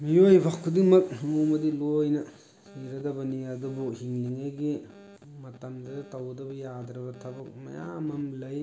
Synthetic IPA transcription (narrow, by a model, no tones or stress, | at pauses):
mijojbʱakʰːudiŋmɐk̚mumɐdilojnɐ | niɾɐdɐbɐniadubuhiŋliŋajɡi | mɐtɐmdɐdɐtɐwɐdɐbɐjadɾɐbɐtʰɐbɐk̚mɐ̰ja̰mɐmlɐj